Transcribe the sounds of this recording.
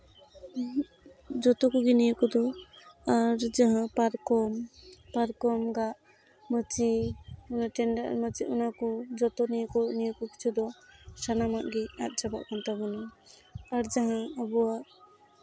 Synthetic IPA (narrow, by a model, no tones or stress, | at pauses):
d͡ʒɔt̪ɔkɔɡinijəkɔd̪ɔaɾd͡ʒaɦãpaɾkɔmpaɾkɔmɡaʔ | mət͡ʃiɔnaʈɛnɖaʔɾmət͡ʃiʔunakɔd͡ʒɔt̪ɔnijkɔnijɔkɔki̥t͡ʃʰud̪ɔʃanamaʔɡɛa̰t̪̚ˀd͡ʒaba̰ʔkɔnt̪abɔnɔ | aɾd͡ʒaɦãəbɔaʔ